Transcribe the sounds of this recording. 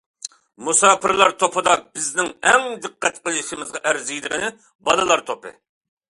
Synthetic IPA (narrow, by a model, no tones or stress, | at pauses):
musɑːpɨɾlˠɑɾt̪ʰopɨd̪ɑbɪznɪŋɛŋd̪ɨqːæt̪qəlˠʃɪmɪzʁɑʔæɾzijd̪ɪʁɪnɪ | bɑlɨlˠɑɾt̪ʰopɨ̰